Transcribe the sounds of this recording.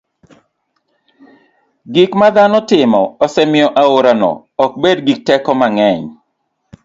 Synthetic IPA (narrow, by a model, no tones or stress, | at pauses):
ɡikmad̪anɔtɪmɔɔsɛmɪɔʔaoɾanɔ̰ | ɔk̚bedɡik̚tɛkɔmaŋɛɲ